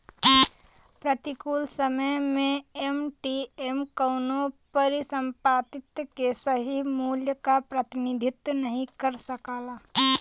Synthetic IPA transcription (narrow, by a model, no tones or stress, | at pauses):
pɾət̪ikuːlsəməjmẽemʈiemkəʊnopəɾisə̃mpaːt̪ɪt̪kesəɦimuːljəkapɾət̪ɪnid̪ʱɪt̪nəɦĩkəɾsəkaːlaː